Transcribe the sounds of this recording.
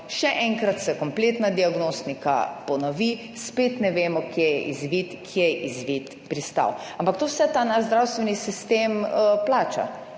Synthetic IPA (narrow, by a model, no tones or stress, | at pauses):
ʃɛʔɛŋkɾat̪sɛkɔmpleːt̪nad̪iaɡnost̪nika̰pɔnɔʋi | spet̪nɛʋeːmɔkjejɛ̰ʔizʋit̪kʰjejʔizʋiːt̪ | pɾist̪a̰wãmpakt̪owsɛt̪aːnaʃzd̪ɾawst̪ʋɛnisist̪emplaːt͡ʃa̰